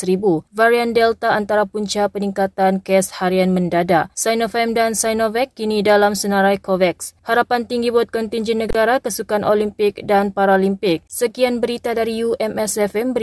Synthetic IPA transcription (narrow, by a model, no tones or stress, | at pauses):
sɾibuvaɾiandɛlt̪aant̪aɾapuɲt͡ʃapəniŋkat̪ankɛshaɾianməndadasajnofɛmdansajnovɛkːinidalamsənaɾajkovɛkshaɾapant̪iŋɡibɔt̪̚kɔnt̪iɲd͡ʒinːəɡaɾakəsukanʔolimpɪk̚danpaɾalimpɪk̚səkianbəɾit̪adaɾijuʔɛmɛsɛfɛmbəɾ